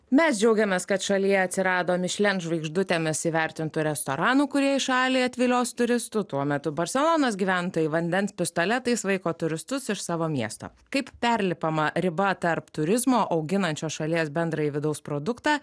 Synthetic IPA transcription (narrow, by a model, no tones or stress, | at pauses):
mʲɛsd͡ʒʲɛʊɡʲɛmʲeːskɐt̪ʃɐlʲijɛɐt̪ʲsʲɪɾɑːd̪oːmʲɪʃʲlʲɛnʒʋɐɪɡʒd̪ʊt̪ʲeːmʲɪsiːʋʲɛɾʲt̪ʲɪnt̪ʊɾʲɛst̪oːɾɑːnuːkʊɾʲiɛɪʃɑːlʲiːɐt̪ʲʋʲɪlʲoːst̪ʊɾʲɪst̪ʊt̪uɔmʲɛt̪ʊbɐɾʲsʲɛlˠoːnɐːsɡʲiːʋʲæːnt̪oːjɪʋɐnʲd̪ʲɛnspʲɪst̪oːlʲɛt̪ɐɪsʋɐɪkoːt̪ʊɾʲɪst̪ʊsɪʃsɑːʋoːmʲiɛst̪o̰ːkɐɪppʲɛɾʲlʲɪpɐmɐɾʲɪbɐt̪ɐɾpt̪ʊɾʲɪzmoːʔɐʊɡʲɪnɐnʲt͡ʃʲoːsʃɐlʲiɛsbʲɛnd̪ɾɐjiʋʲɪd̪ɐʊspɾoːd̪ʊkt̪ɑː